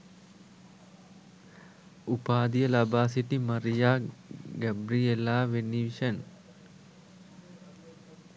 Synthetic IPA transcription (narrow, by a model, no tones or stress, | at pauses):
upaːd̪ijəlɐbaːsiʈimɐɾijaːɡæbɾielaːʋenːiʋiʃən